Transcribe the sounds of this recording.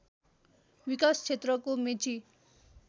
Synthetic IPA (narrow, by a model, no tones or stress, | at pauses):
wikast͡sʰet̪rʌkomet͡si